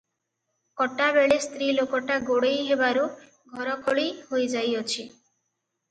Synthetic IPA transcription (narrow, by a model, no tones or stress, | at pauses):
kɔʈabeɭest̪ɾilokɔʈaɡoɽejɦebaɾu | ɡʱɔɾɔkʰoɭihojd͡ʒajɔt͡ʃʰi